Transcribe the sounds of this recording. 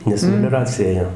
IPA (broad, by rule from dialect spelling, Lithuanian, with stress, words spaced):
nʲɛs mʲɛlʲoːˈrɑːt͡sʲɪjɛ ˈeːjoː